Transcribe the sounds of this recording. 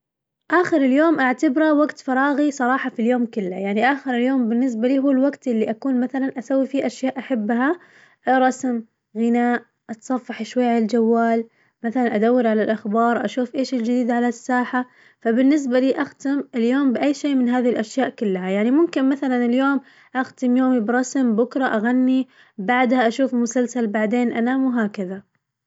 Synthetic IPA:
ʔaːxɪɾɪljoːmʔaʕt̪abɾawaɡt̪fɑɾˤɑːɣisˤɑɾˤɑːħɑfiljoːmkʊlːajaʕniʔaːxɪɾɪljoːmbɪnːɪs̬baliːɦuːlwaɡt̪ʔɪlːiʔakuːnmaθalanʔasawːifiːʔaʃjaːʔaħabːɦa | ɾˤɑsm | ɣɪnaːʔ | ʔɑt̪sˤɑfːɑħɪʃwajːaald͡ʒawːaːl | maθalanʔad̪awːɪɾʕalalʔaxbɑːɾˤʔa̰ʃuːfʔeːʃɪld͡ʒɪd̪iːd̪aʕalasːaːħa | fabɪnːɪs̬baliːʔaxt̪ɪmɪljoːmbɪʔajːʃeːmɪnɦaːðihɪlʔaʃjaːʔkʊlːɦajaʕnimʊmkɪnmaθalanɪljoːm | ʔaxt̪ɪmjoːmibɾˤɑsmbʊkɾˤɑʔaɣanːi | baʕd̪haʔaʃuːfmʊsalsalbaʕd̪eːnʔanaːmwɦaːkaða

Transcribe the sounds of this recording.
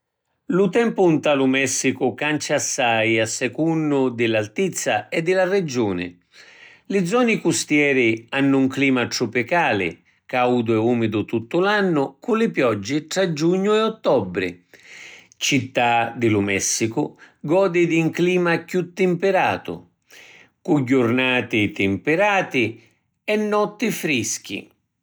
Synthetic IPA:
lʊt̪ɛmpʊnt̪alʊmɛsːikʊkant͡ʃasːajasːɛkunːʊd̪ɪlalt̪it̪sːaɛd̪ːɪlarɪd͡ʒuːnɪ̰ | lɪd̪zːɔnikust̪jɛːɾianːʊuŋkliːmat̪ɾʊpikaːlɪ̰ | kawd̪ʊɛuːmɪd̪ʊt̪ut̪ːʊlanːʊkulɪpjɔd͡ʒːiʈ̪ɾad͡ʒuɲːʊɛɔt̪ːɔbːɾɪ̰ | t͡ʃit̪ːad̪ɪlʊmɛsːikʊ | ɡɔːd̪id̪iŋkliːmakjut̪ːɪmpɪɾaːt̪ʊ̰ | kuɟːʊɾnaːt̪ɪt̪ɪmpɪɾaːt̪ɪ | ɛnːɔt̪ːɪfɾisk̟ḭ

